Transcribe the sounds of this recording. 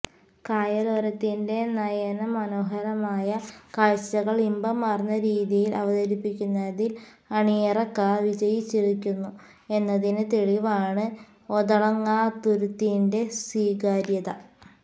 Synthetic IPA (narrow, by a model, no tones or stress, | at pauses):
kaːjɐloːɾɐt̪ːinde̞nɐjɐnɐmɐno̞ːɦɐɾɐmaːjɐkɐɻɕɐɣɐɭimbɐmaːrnːɐɾiːðijilɐʋɐðɐɾipːikʲːunːɐðil | ɐɳijɐrɐkːaʋid͡ʑɐjit͡ɕːiɻikʲːunːu | e̞nːɐðinɨt̪e̞ɻiʋaːɳɨ | oðɐɭɐŋːaːt̪ːuɾut̪ːijinde̞swiːɡaːɾjɐðɐ